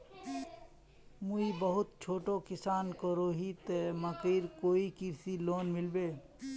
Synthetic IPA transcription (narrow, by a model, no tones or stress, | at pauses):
muibəɦʊt̪̚t͡ʃʰoːʈokɪsaːnkəɾoɦit̪eməkiːɾkoːikɪɾsiloːnmɪlbeː